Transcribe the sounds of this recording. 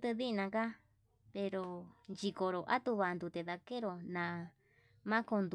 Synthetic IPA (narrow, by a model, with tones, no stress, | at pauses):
t̪ɨ˧ði˦˧nã˧ka˦ | pe˧ɾo˧nd͡ʒi˧ko˨ɾo˨ʔa̰˦t̪u˧βa˧nd̪u˧t̪e˨ða˧ke˦ɾo˨nã˨˧ | mã˦ko˧nd̪